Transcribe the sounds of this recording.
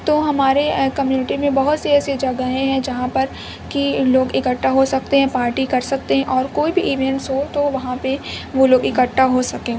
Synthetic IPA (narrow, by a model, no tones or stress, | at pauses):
t̪oːɦɐmaːɾekɐmjuːnɪʈimẽbɐɦʊt̪siɛːsed͡ʒɐɡəɦẽɦɛ̃d͡ʒɐɦãpɐɾ | kiloːɡɪkəʈːaɦosɐkt̪eɦɛ̃paːɾʈikɐɾsɐk̚t̪eɦɛ̃ʔɔːɾkoːibʱiʔiːʋɛ̃ɳʈsɦot̪oʋɐɦãpeʋoloːɡɪkəʈʰːaɦosɐkẽː